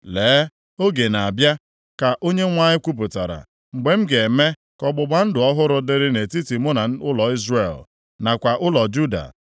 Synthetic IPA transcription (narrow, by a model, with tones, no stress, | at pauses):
leː˨˦ | o˦ɡe˨na˨a˨bja˦ | ka˨ʔo˦ɲe˦ŋʷa˦ɲɪ˦kʷu˦p̬ʊ˨ta˨ɾa̰˨ | ŋ͡m̩˨ɡ͡be˨m̩˦ɡe˨me˦ | kɔ˦ɡ͡bʊ˨ɡ͡ba˦n̩˦dʊ˨ɔ˦ɦʊ˦ɾʊ˦dɪ˦ɾɪ˦ne˨ti˦ti˨mo˦na˨˦ʊ˦lɔ˨i˦zre˦˨l | na˨kʷa˨ʔʊ˦lɔ˨d͡ʒu˦da̰˨